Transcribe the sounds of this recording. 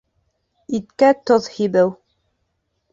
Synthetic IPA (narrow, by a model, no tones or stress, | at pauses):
it̪kæt̪oðhibɘw